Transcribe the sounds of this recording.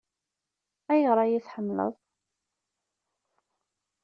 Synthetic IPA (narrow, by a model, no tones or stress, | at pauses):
æjəʁɾˤɑjiθħəmːlə̰ðˤ